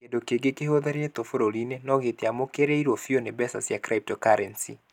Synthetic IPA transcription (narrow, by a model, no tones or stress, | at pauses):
kendokeɡekehoðɛɾet̪ofoɾolinenɔɣet̪jamokeɾeiɾwɔfionebɛsa̰sjakɾap̚tɔkaɾɛnsḭ